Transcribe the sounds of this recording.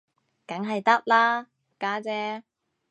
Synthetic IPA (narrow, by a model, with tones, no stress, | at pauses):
kɐ˨˥ŋɦɐ˨jt̪ɐ˥t̚laː˥ | kaː˨˥t͡sɛː˧˥